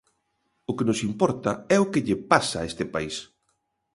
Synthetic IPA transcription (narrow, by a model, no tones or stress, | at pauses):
ʊkenʊsimpɔɾt̪ɐɛʊkɪʎepasaest̪ɪpais